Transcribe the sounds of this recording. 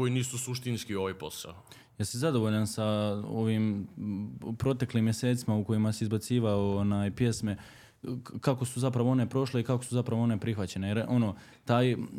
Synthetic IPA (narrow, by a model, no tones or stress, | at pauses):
koiniːsusuʃt̪inskioʋajpo̞sa̰o | jasizad̪oʋo̞ʎansao̞ʋiːm | pɾo̞t̪e̞kliːmːje̞se̞ːt̪simauko̞jimasiːzbat̪siːʋaoonaːjpje̞sme̞ | kako̞suzapɾaʋoo̞ne̞pɾo̞ʃle̞ikako̞suzapɾaʋoo̞ne̞pɾixʋat͡ɕe̞ne̞jeɾo̞noː | t̪aːj